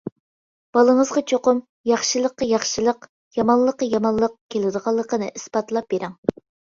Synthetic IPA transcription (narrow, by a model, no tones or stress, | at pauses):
b̥ɑlˠəŋəzʁɑt͡ʃʰoqʊm | jɑχʃɨlˠəqːɑjɑχʃɨlˠəq | jɑmɑnlˠəqːɑjɑmɑnlˠəq̚kʲʰelˠɨd̪əʁɑlˠːəqənɨ̰ʔɨspɑt̪lˠɑp̚beɾɛŋ